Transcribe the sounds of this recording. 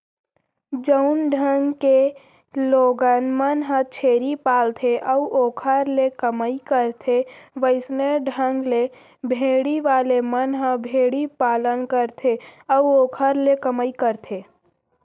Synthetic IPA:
d͡ʒəʊnɖʱə̃ŋɡke | loːɡənmənɦə̃t͡ʃʰeːɾipaːlt̪ʰeʔəuʔoːkʰəɾlekəməikəɾt̪ʰeʋəɪsneɖʱə̃ŋɡle | bʱeːɽiʋaːlemənɦə̃bʱeːɽipaːlənkəɾt̪ʰeəuoːkʰəɾlekəməikəɾt̪ʰeː

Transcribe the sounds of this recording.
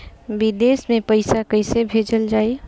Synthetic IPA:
bɪd̪eːsmẽpəɪsakəɪsebʱeːd͡ʒəld͡ʒaːe

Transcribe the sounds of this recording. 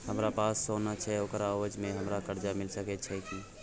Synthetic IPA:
həmɾapaːsːoːnat͡ʃʰɛokɾaəwəd͡ʒmẽɦəmɾakəɾd͡ʒamɪlsəkɛt͡ʃʰɛki

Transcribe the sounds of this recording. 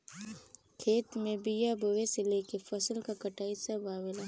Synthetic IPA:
kʰeːt̪mẽbijabʱʊweseleːkefɐsəlkakɐʈaːisɐbaːwelaː

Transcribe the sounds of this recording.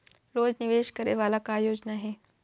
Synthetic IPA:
loːd͡ʒnɪʋeːʃkɐɾeʋaːlakajoːd͡ʑnaɦeː

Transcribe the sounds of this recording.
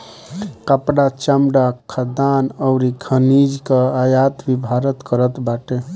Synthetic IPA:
kəpɽat͡ʃəmɽakʰəd̪anəʊɾikʰənid͡ʒkəajat̪bibʱaɾət̪kəɾət̪baʈe

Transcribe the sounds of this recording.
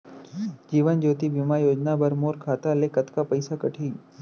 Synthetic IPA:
d͡ʒiːʋənd͡ʒoːt̪ibimajoːd͡ʒnabəɾmoːɾkʰaːt̪alekət̪kapəɪsakəʈʰiː

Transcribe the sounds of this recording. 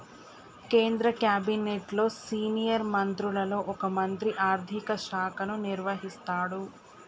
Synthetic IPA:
ke̞ːnd̪ɾɐkjaːbineːʈlo̞ːsiːnijɐɾmɐnt̪ɾulɐlo̞ːʔɔkɐmɐnt̪ɾiʔaːɾd̪ʱikɐʃaːkʰɐnuniɾʋɐɦist̪aːɽu

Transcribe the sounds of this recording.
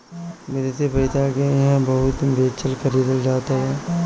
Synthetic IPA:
meːɾesepɐit̪akeɦãbɐɦʊt̪beːt͡ʃʰəlkəɾiːd̪əld͡ʒaːt̪aɦɛː

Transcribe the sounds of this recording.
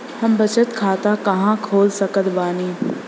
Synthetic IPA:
hɐmbɐt͡ʃət̪kʰaːt̪akɐɦãkʰoːlsɐkət̪baːniː

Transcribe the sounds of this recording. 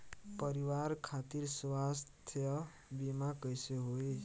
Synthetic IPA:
pʌɾiwarkʰat̪iɾsuwast̪ʰjʌ | bimakʌjseɦoe

